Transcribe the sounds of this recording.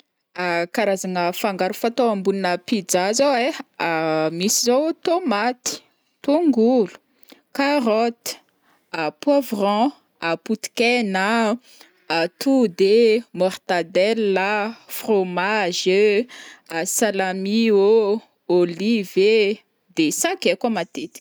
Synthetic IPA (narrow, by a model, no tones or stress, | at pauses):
akaɾazaŋəfaŋɡaɾufat̪oãmbuninəpid͡zazaweamisizot̪omat̪i̥ | t̪uŋɡulu̥ | karɔt̪i̥ | apwavrɑ̃ | aput̪i̥kɛna | at̪ud̪emɔrt̪ad̪ɛlːafromaʒə | asalamio | olive | d̪esãkɛkamat̪et̪i̥